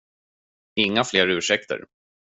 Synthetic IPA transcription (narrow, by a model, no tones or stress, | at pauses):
ɪŋːafleːɾʉ̟ːʂɛk̚t̪ʰə̰ɾ